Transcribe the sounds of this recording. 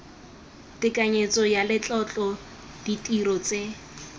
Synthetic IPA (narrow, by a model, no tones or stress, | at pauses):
tɪkʼaɲet͡sɔjalɪt͡ɬʼɔt͡ɬʼɔ | d̥itʼirɔt͡se